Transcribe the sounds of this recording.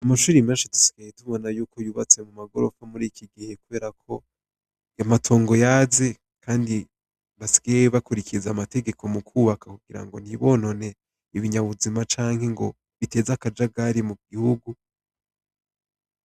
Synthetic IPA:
amaʃuːɾimaʃatu̥si̥ɡ̥ajetuβo̞najuːkʰo̞juːβat͡se̞mumaɡoɾo̞famuɾiːkʰiɡihe̞kuβe̞ːɾakʰo̞ | jamatʰo̞ːŋɡo̞jaze̞ | kʰaːndi | βasi̥ɡ̥ajeβakuɾikʰizamate̞ɡe̞kʰo̞mukʰuːβakʰakuɡiɾa̰ŋɡo̞̰n̥hiβo̞no̞ne̞ | iβiɲaβuzimat͡ʃaːŋhe̞ŋɡo̞ | βite̞ːzakad͡ʒaɡaɾimuɡihuɡu

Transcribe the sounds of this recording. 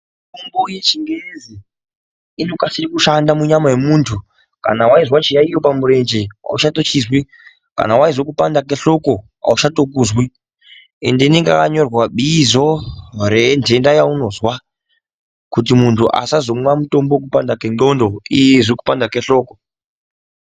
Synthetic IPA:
mitomboje̞t͡ʃiŋɡezi | ino̞kasiɾikuʃandamuɲamajemuːntʰu | ka̰nawaizwat͡ʃijaijo̞pamuɾe̞nd͡ʒea̰uʃato̞t͡ʃizwi | ka̰nawaizwokupandakeɬo̞ko̞ | a̰uʃato̞kuzwi | ḛndineŋɡakaɲo̞rwaɓizorend͡ʒe̞ndajauno̞zwa | kut̬imuntʰuʔa̰sazo̞mwamuto̞mbok̬upandakeno̞ndo̞ijeʐiku̥pandakeɬo̞ːko

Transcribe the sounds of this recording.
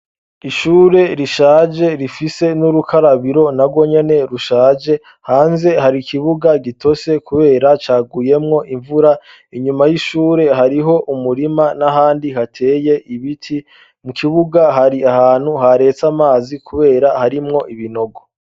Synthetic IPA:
iʃuːɾe̞ɾiʃaːd͡ʒe̞ɾifise̞nuɾukʰaɾaβiɾo̞nabɡo̞ɲe̞ne̞ɾuʃaːd͡ʒe̞ | haːnze̞ɦaɾikʰiβuɡaɡitʰo̞se̞kʰuβe̞ːɾat͡ʃaːɡuje̞mŋo̞ʔiɱvuɾa | iɲumajiʃuːɾe̞ɦaɾiɦo̞ʔumuɾimanaɦaːndiɦatʰeːje̞ʔiβitʰi | mukʰiβuɡaɦaɾiahaːn̥huhaɾe̞t͡samaːzikʰuβe̞ːɾahaɾimŋo̞ʔiβino̞ɡo

